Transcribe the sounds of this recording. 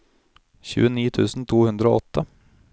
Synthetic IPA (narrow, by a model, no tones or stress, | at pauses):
çʉ̰ːəniːt̪ʰʉːsn̩t̪ʰuːhʉnd̪ɾəo̰ːɔt̪ʰːə